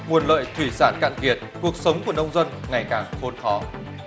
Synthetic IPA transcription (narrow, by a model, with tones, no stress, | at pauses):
ŋu˨˩ənlə̰ː˧˨jt̪ʰwi˧˩saː˧˩nka̰ː˧˨ŋki˨˩ət̚ku˨˩ək̚sə˨˦wŋ͡mku˧˩ənə˧wŋ͡mzə˧nŋa˨˩jkaː˨˩ŋxo˨˦nxɔ˨˦